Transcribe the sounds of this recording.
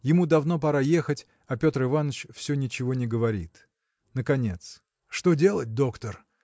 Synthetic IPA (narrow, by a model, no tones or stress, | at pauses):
jɪmud̪ɐvno̞p̬ɐɾaje̞xətʲ | ɐpʲo̞t̪rɨvanət͡ɕfsʲɵnʲɪt͡ɕɪvo̞nʲɪɡəvɐɾʲḭt̪ | nəkɐnʲe̞t̪s | ʂt̪odʲe̞lˠət̚ʲd̪o̞kt̪ər